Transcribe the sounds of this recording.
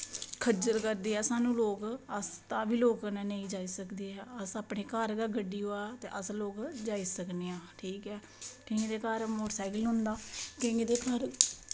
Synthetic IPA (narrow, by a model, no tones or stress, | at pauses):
kʰəd͡ʒəɾkəɾd̪eːɦɛːsaːnũːloːkəst̪aːʋiːloːknãːneĩːd͡ʒaːiːsəkd̪eːɦɛːəsaːpɳeːkəɾɡaːɡəɖiːɦoːaːt̪eːʔəsloːkd͡ʒaːiːsəkneːãːʈʰiːkɛː | ʈʰiːɡd̪eːkaːɾmoːʈsaːɪkəlɦʊ̃nd̪aːkɪd̪eːkəɾ